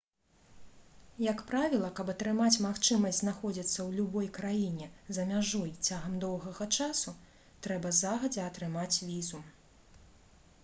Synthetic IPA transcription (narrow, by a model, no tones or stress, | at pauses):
jɐkpɾavʲilˠɐkɐbɐt̪ɾɨmat͡sʲmaxt͡ʂɨmɐsʲznaxɔd͡zʲit̪sːɐwlʲubɔjkɾajinʲɛzɐmʲaʐɔjt͡sʲaɣɐmd̪ɔwɣɐɣɐt͡ʂasu | t̪ɾɛbɐzaɣɐd͡zʲɛɐt̪ɾɨmat͡sʲvʲizu